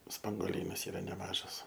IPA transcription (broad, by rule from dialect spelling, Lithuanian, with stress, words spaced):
spɐŋɡoːˈlʲiːnɐs ˈiːrɐ nʲɛˈmɑːʒɐs